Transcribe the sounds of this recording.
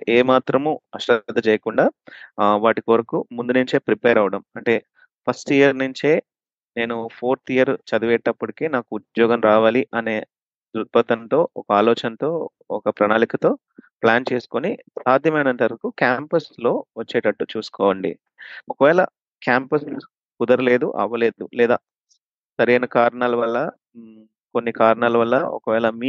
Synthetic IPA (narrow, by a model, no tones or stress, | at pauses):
eːmaːt̪ɾɐmuɐʂʈɐd̪ʱːɐt͡ʃɛːjɐkuɳɖaːʋaːʈikʋɐɾɐkumund̪unuɲt͡ʃe̞ːpɾipeːɾɐʋɐɽɐmɐɳʈe̞ː | pʰɐsʈijɐɾnuɲt͡ʃe̞ː | ne̞ːnupʰoːɾt̪ʰijɐɾt͡ʃɐd̪uʋɛːʈːɐpːuɽikeːnaːkuːd̪jɔːɡɐmɾaːʋaːliʔɐne̞ː | d̪ɾupɐt̪ɐnt̪o̞ːɔkɐaːlɔːt͡ʃɐnɐt̪o̞ː | ɔkɐpɾɐnaːlikɐt̪o̞ː | plaːnt͡ʃe̞ːsu̥konisaːd̪ʱjɐmɐjnɐt̪ɐɾɐkukaːmpɐslo̞ːʋɐt͡ʃːeːʈɐʈːut͡ʃuːsu̥kɔːʋɐɳɖḭ | ɔkɐʋɛːlɐ̰ | kaːmpɐs | kud̪ɐɾule̞ːd̪ṵʔɐ̰ʋːɐle̞ːd̪ṵlɛːd̪a̰ː | sɐɾejnɐkaːɾɳaːlɐʋɐlːɐ | ko̞nːikaːɾɐnaːlɐʋɐlːɐ̰ɔ̰kɐʋɛːlɐmiː